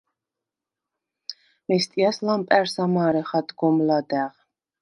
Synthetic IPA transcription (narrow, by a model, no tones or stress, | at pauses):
mɛst̪ʼiaslampʼɛɾsamaːɾɛχad̪ɡɔmlad̪æʁ